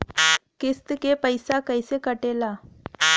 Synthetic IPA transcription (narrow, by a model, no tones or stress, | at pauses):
kest̪əkepəjsakəjsekəʈela